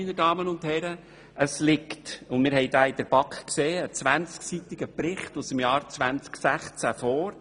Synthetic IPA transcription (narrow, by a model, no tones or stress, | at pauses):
inədɑːmənʊnthɛɾə | ʔəslɪktʊndmɪːɾɦɛɪdaːɪd̥̪əɾb̥ɑkχkseːət͡sʋænt͡sksit̪ɪɡəpɾɪχtusəmjɑːɾt͡svʋænt͡sksæχt͡sæfɔːɾ